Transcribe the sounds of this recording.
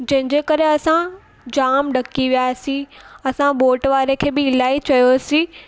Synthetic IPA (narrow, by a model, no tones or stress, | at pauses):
d͡ʑɐ̃ɦɪ̃ɲd͡ʑeːkɐɾeɐsã | d͡ʑaːmɗɐkiʋijaːsĩɐsãɓoːʈʋaːɾekʰeːbɪɪlaːit͡ɕɐjosĩ